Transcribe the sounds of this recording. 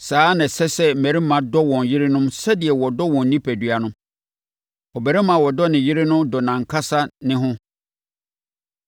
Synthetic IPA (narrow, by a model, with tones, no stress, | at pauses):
saː˨˦nã˨sɛ˦sɛ˦m̩˨mæ̃˨ɾi˦mã˨dɔ˦wɔ̃˨njɪ˦ɾɪ˦nʊ̃˦msɛ˦di˨ɛ˨wɔ˨dɔ˦wɔ̃˨n̩ː˦nĩ˦pʰæ˨dɥa˨nʊ̃˦ | ɔ˨bæ˨ɾɛ˦mã˨wɔ˨dɔ˦nɪ̃˨ji˦ɾɪ˦nʊ̃˦dɔ˨nã˨ŋ˨kʰa˦sa˦nɪ̃˦ɦʊ̃˦